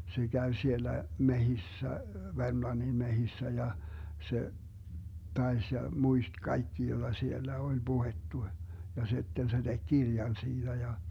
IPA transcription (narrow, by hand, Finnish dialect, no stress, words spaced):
se ɡ̊æʋ sielːæ mehisːæ ʋermlɑnːin mehisːæ jɑ se tɑes jɑ muist kɑikːi jod̥ɑ sielːæ olʲ b̥uhetːu jɑ si̯tːen se d̥eɡ̊ ɡ̊irjɑn siːd̥æ jɑ